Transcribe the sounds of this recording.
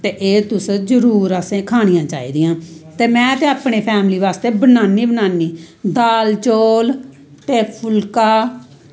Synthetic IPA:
t̪eːʔeːt̪ʊszəɾuːɾəsẽːkʰaːɽ̃ɪjãːt͡ʃa̰ːḭːd̪ɪjãːt̪eːmɛ̃ːt̪eːaːpɳeːpʰɛːmliːʋaːst̪eːbənaːniːbənaːniːd̪aːlt͡ʃoːl | t̪eːpʰʊlkaː

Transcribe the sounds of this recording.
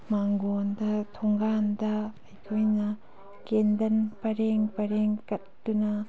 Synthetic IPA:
maŋɡondɐtʰoŋɡandɐː | jkʰojnɐ | kendɐnpɐɾeŋpɐɾeŋkɐt̚dunɐ

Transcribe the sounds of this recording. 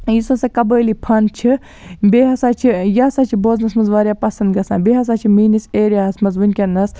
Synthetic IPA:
jisɐsɐkɐbəːlipʰɐnt͡ʃʰi | beːɦɐsaːt͡ʃʰijɐsaːt͡ʃʰiboːznɐsmɐnzʋaːɾjaːpɐsɐnd̪ɡɐsãːnbeːɦɐs̬aːt͡ʃʰimiːniseːɾʲaːɐsmɐzʋunʲkʲɐnːɐs

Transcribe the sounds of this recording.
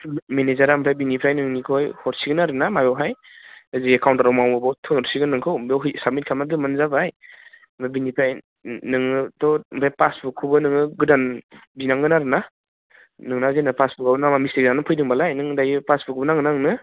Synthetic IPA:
menezaɾampʰɾajbinipʰɾajnɯŋnikʰɔjhɔɾsiɡɯnaɾɯnamajɔwɦaj | aziekawntaɾawmawmɯbɔtʰɔnɔɾsiɡɯnɯŋkʰɯwmbwɦɯsamit̚kʰamadɯmɯnzabaj | mabinipʰɾaj | nɯŋɯdɔmpʰajpasbukʰubɯnɯŋɯɡɯdanbinaŋɡɯnaɾɯna | nɯŋnazenapasbukawnamamisiɡzanɯpʰɯjdɯŋbalajnɯŋdajɯpasbuk̚bɯnaŋɡɯnaŋnɯ

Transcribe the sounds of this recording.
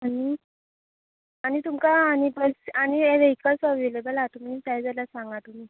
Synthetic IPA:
ani | anit̪umkaːñibəsañieʋekasɔʋilebəlat̪um̤init̪ajd͡zalasaŋɡat̪umi

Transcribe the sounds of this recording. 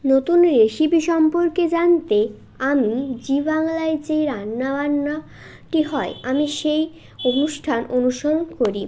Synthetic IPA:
not̪unɾeʃibiʃɔmpoɾked͡ʑant̪e | amid͡ʑibaŋlaed͡ʑeɾanːabanːa | ʈiɦɔeamiʃej | onuʃʈʰanʔonuʃoɾonkoɾi

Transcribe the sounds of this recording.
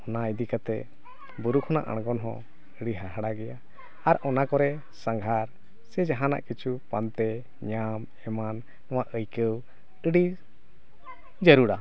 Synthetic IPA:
ɔnaid̪ikat̪ɛ | buɾukʰɔna̰ʔa̰ɽ̃ɡɔnɦɔ̰̃ | əɽiɦaɦaɽaɡɛja | aɾɔnakɔɾɛ | saŋɡʱaɾ | sɛd͡ʒaɦãna̰ʔkit͡ʃʰupant̪ɛ | ɲam | ɛmanː | ɔwaʔəjkəw | əɽi | d͡ʒəɾuɽa

